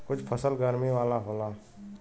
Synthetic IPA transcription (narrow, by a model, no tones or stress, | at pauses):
kʊt͡ʃʰpʰəsəlɡəɾmiʋaːlaɦoːlaː